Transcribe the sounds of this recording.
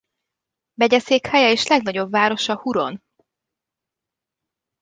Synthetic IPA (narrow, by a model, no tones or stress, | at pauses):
bɛɟɛseːkhɛjɛeːʃlɛɡnɒɟo̞bːaːɾo̞ʃɒhuɾo̞̰n